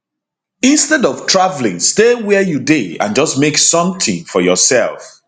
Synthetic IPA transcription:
ĩnstɛdɔv̥tʰɹavlɪ̰̃ŋstewɛjudeã̰nd͡ʒʌsmeksʌ̃mtʰĩŋfɔjɔsɛ̰lˠf

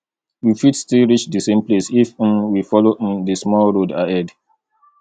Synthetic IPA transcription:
wifidstilɹit͡ʃdəsẽmplesifnwifɔloʔndəsmɔlɹoda̰ɛd

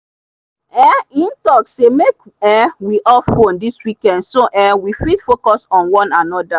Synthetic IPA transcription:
ɛĩntɔksemek | ɛwiʔɔlfõndiswikɛ̃ndsoʔɛwifisfokɔsɔ̃nwɔ̃nanɔda

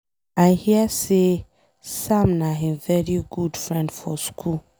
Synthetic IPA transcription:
ãnhiɛse | sãmnaɦĩnvɛɹiɡudfɹɛ̃ndfɔ̰skʰul

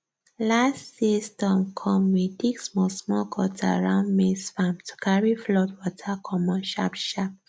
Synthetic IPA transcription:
lassistɔ̃mkʰɔ̃mwidiksmɔsmɔlkʰɔtʰaɹãʊ̃nmesfãmtʰu̥kʰaɹiflɔdwɔtʰakʰɔmɔ̃nʃa̰pʃap̚

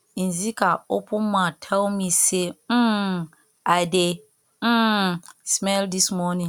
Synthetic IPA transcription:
n̩zikʰaopʰʊ̃mãtʰawmĩse | ade | smɛldismɔnĩ

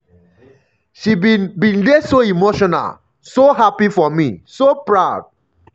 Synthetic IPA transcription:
ʃibinbĩnlesoimoʃɔna̰l | soɦapifɔmisopɹaʊd̥̚

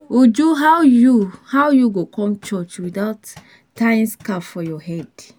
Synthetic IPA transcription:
ud͡ʒuɦawjuhawjuɡokʰɔ̃mt͡ʃɔt͡ʃwidaʊt | tːãɪ̃nskafɔjɔhɛd̥

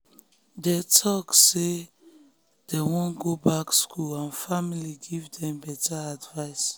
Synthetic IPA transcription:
dɛtʰɔkse | d̥ewɔ̃nɡobakskʰulãnfamiliɡivdɛ̃mbɛtaadvaɪs

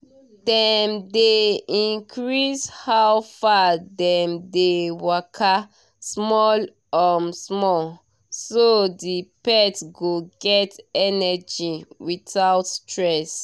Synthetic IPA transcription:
dɛmdeĩŋkʰɹishawfadɛmdewakʰa | smɔl | ɔmsmɔl | sodipɛtɡoɡɛtɛnɛd͡ʒiwitaʊtstɹɛs

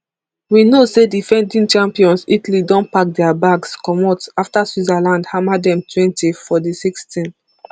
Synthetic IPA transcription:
winosedifɛ̃ndĩnt͡ʃãmpiɔ̃nsitalidɔ̃npak̚dɛabaɡskɔmɔtaftaswizalãndhamadɛ̃mtʰwɛ̃ntifɔdisikstĩn

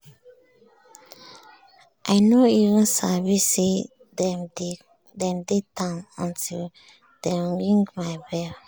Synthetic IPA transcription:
ʔaɪnoivə̃nsavisse | dɛmd | dɛ̃mdetãnɔ̃ntil | d̥ɛ̃mɹĩŋɡmaɪbɛl

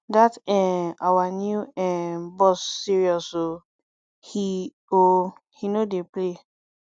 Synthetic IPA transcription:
datɛawanjuɛbɔsːiɹiɔso | hi | o | hinodeple

